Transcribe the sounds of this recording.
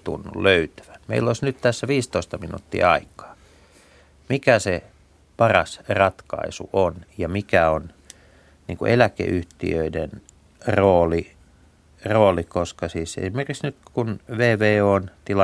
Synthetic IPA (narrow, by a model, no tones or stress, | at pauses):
t̪ṵnːṵlløyt̪æ̥ʋæ̥nmḛilːoisnyt̪t̪æsːæʋiːst̪oist̪ɑminṵt̪ːḭːɑikɑ̥ː | mikæse | pɑrɑsrɑt̪kɑ̰isṵʔonjɑmikæon | nḭːŋkṵʔelækḛʔyht̪ḭøiden | roːli | roːlikoskɑsiːsḛsimerkiksnyt̪kunʋeːʋeːoːnt̪ilɑ